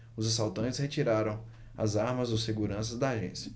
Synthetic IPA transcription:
ʊzasawt̪ɐ̃t͡ʃɪ̥shet͡ʃiɾaɾɐ̃w̃ | ɐ̰zaɾmɐzoseɡuɾɐ̃sɐzd̪ɐːʒḛ̃sjɐ

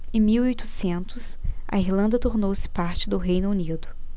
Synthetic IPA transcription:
ẽmiwojt̪ʊ̥sẽnt̪ʊs | ɐ̰iɾlɐ̃nd̪ɐt̪oɾnowsɪ̥paɾt͡ʃɪd̪ʊɦejnʊunid̪ʊ

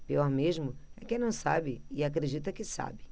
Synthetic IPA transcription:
piɔɾmeʒmʊɛkẽnɐ̃w̃sa̰bɪɪakɾed͡ʒit̪ɐkɪsa̰bɪ

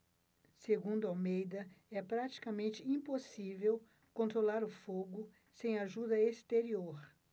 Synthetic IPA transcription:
seɡũnd̪ʊawmejd̪ɐɛpɾat͡ʃi̥kɐmẽnt͡ʃɪĩposivew | kõnt̪ɾolaɾʊfoɡʊ | sẽj̃aʒud̪ɐest̪eɾioɾ

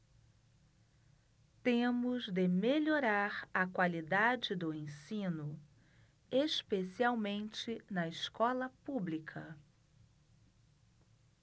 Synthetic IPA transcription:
t̪ẽmʊzd̪ɪmeʎoɾaɾɐkwalid̪ad͡ʒɪd̪ʊẽsĩnʊ | espesiawmẽnt͡ʃɪnɐɪskɔlɐpublikʰɐ

